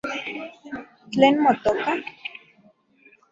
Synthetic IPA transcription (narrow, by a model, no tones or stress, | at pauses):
t̪lenmot̪oka